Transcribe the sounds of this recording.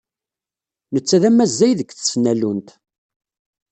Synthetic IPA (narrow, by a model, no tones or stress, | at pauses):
nət͡sːæðæmːæzːæjðəkθə̥snælunt̪